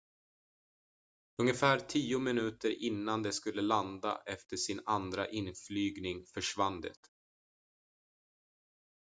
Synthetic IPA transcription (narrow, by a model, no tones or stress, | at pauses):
ɵŋəfæːɾt̪ʰiːʊmɪnʉ̟ːt̪əɾʔɪnːand̪ɛskɵlːəland̪a̰ʔɛft̪əʂɪnand̪ɾaʔɪnflyːɡnɪŋfœʂvand̪ɛ̰t̪